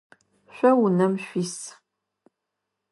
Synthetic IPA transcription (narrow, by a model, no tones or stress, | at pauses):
ɕʷɐwunɐmʃʷis